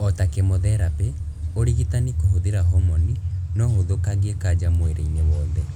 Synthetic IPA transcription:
ɔtakemoðɛɾape | oɾiɣitanikohoðeɾaɦɔmɔninɔhoðokaɣeekad͡ʒamoeɾḛɲewɔːðɛ

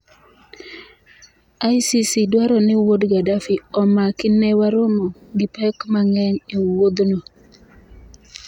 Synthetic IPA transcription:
ajsisidwaɾɔnɛwodɡadafiɔmakinewaɾomɔɡipɛkmaŋɛŋewod̪nɔ

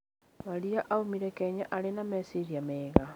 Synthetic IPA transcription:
maɾiaʔaomiɾɛkɛɲaʔalenamɛsiɾiameːɣa

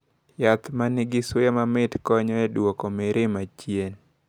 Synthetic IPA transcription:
jat̪manɪɡɪswɛmamɪtkɔɲɔɛdwokomeɾɪmat͡ʃjen

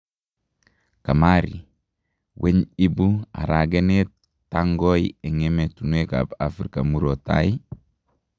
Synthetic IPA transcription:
kamaɾi | wʔeɲibua̰ɾaɡenetː | aŋɡojeŋemetunueka̰bafɾikamuɾota̰i

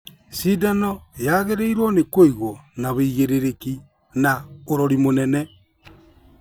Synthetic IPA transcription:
sidanɔjaɣeɾeiɾwonekoiɣwɔnaβeiɣeɾeɾeki | naoɾɔɾimonɛnɛ

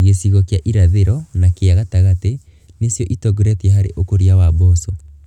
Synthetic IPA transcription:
ɣesiɣɔkjaʔiɾaðeɾɔnakeaɣataɣate | nesjɔʔitɔɣuɾɛtɛɦaɾḛʔokoɾiawabɔsɔ

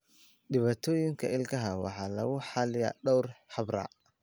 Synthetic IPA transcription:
ɖɪβaːt̪ʰɔːjɪŋkʰɐɪlkʰɐɦɐwɑ̰ħɑːlɐɣʊħɑlɪja̰ːɖɔwrħɑbra̰ː

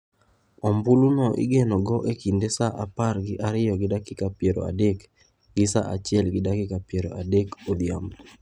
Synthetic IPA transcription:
ɔmbulunɔʔɪ̰ɡenɔɡɔʔekindesaʔaparɡɪʔaɾɪjɔɡɪdakɪkapjeɾo̰a̰dek | ɡɪsa̰ʔat͡ʃɪɛlɡɪdakɪkapjeɾo̰ʔadekod̪jambo

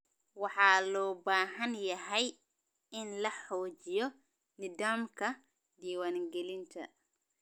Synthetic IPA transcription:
wɑħaːlɔːbaːɦɐnjɐɦɐj | ɪnlɐħɔːd͡ʒijɔ | nɪd̪aːmkɐ | d̪iːwanɡɛlint̪ʰɐ̰

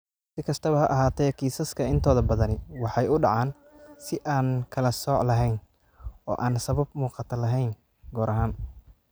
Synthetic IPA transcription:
sɪkʰɐst̪ʰɐβɐɦɐʔɐɦaːt̪ʰɛːkʰiːsɐskʰɐɪnt̪ʰɔːðɐbɐðɐnɪwɑħɑjʊɖɑ̰ʕɑːn | sɪʔaːnkʰɐlɐsɔːʕlɐɦɛjn | ɔ̰ːʔaːnsɐβɐb̚muːqɑt̪ʰɐlɐɦɛjn | ɡɔːɾʔɐɦaːn

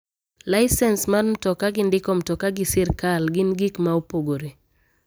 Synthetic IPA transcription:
laɪsɛnsmanm̩tɔkaɡɪndɪkɔm̩tɔkaɡɪsɪrkalɡɪnɡikmaopoɡoɾe

